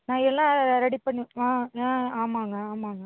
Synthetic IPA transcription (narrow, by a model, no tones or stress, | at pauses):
nãːɛlːãɾɐɽipɐɳːɯ̃aːãaːmaːŋɡɐaːmaːŋɡɐ